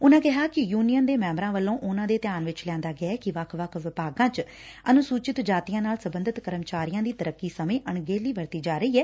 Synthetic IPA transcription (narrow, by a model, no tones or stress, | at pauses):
ʊnãːkɪɦaːkɪjuːnijənd̪eːmɛ̃ːmbɾãːʋəlːõːʔʊnãːd̪eːt̪ɪjaːnʋɪt͡ʃlɛ̃ːnd̪aːɡɪɛːkɪʋəkʰʋəkʰʋɪpaːɡãːt͡ʃ | ənʊsuːt͡ʃɪt̪d͡ʒaːt̪iːjãːnaːlsəbənd̪ət̪kəɾəmt͡ʃaːɾijãːd̪iːt̪əɾəkːiːsəmẽːʔəɳɡeːliːʋəɾt̪iːd͡ʒaːɾəiːɛː